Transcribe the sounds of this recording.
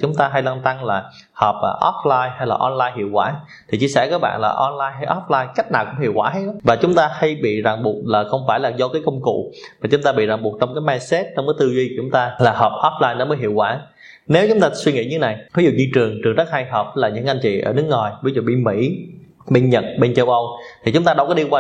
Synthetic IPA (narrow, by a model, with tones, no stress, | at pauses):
t͡ɕʊ˨˦ŋ͡mt̪aː˧ɦa˧jlwaː˧nt̪a˧ŋlaː˨˩ | həː˨˩p̚ʔʔɔ˦˥p̚laː˧jha˧jlaː˨˩ʔɔ˧nlaː˧jhi˧˨əwkwaː˧˩˦ | t̪ʰi˨˩t͡ɕi˧əsɛ̰˧˩kaː˨˦˥k̚ɓa̰ː˧˨nlaː˨˩ʔɔ˧nlaː˧jɦa˧jʔɔ˦˥p̚laː˧jka˦˥k̚naː˨˩wkʊ˧˥ŋ͡mhḭ˧˨əwkwaː˧˩ɦa˨˦jɗɔ˨˦vaː˨˩t͡ɕʊ˨˦ŋ͡mt̪aː˧ha˧jɓḭ˧˨zaː˨˩ŋɓu˨˩ət̚laː˨˩xə˧wŋ͡mfaː˧˩jlaː˨˩zɔ˧kaː˨˦jkə˧wŋ͡mkṵ˧˨maː˨˩t͡ɕʊ˨˦ŋ͡mt̪aː˧ɓḭ˧˨za˨˩ŋɓu˨˩t̚t͡ɕɔ˧wŋ͡mkaː˨˦jmaː˧nsɛ˦˥t̚t͡ɕɔ˧ŋ͡mkaː˨˦t̪ɨ˧zi˧˨˩t͡ɕʊ˨˦ŋ͡mt̪aː˧laː˨˩həː˨˩p̚ʔɔ˦˥p̚laː˧jnɔ˨˦məː˨˦jɦḭ˧˨əwkwaː˧˩ | ne˨˦wt͡ɕʊ˨˦ŋ͡mt̪aː˧swi˧ŋḭ˧˥˦ɲɨ˧˦na˨˩jfʰa˨˦zu˨˩ɲi˧t͡ɕɨ˨˩əŋt͡ɕɨ˨˩əŋzə˦˥t̚ha˧jɦəː˨˩p̚laː˨˩ɲɨ̰˧˥ŋkʔa˧ŋt͡ɕḭ˧˨ʔəː˧˩nɨ˦ək̚ŋɔ˨˩jɓi˧˦zu˨˩ɓḭ˧˨mḭ˧˥ | ɓe˧nɲə˨˩t̚ɓe˧nt͡ɕə˧wʔə˧wt̪ʰi˨˩t͡ɕʊ˨˦ŋ͡mt̪aː˧ɗɔ˧wkɔ˨˦ɗi˧kwaː˧